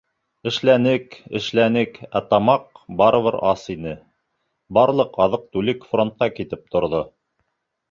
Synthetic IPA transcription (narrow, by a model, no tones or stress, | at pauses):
ɘ̆ʃlænɘkɘ̰̆ʃlænɘkæt̪ɑmɑqbɑɾɤ̆βɤɾɑsinɘ | bɑɾlˠɤqɑðɤq̚t̪ʉlɘkfront̪̚qɑkit̪ɘp̚t̪ŏɾðo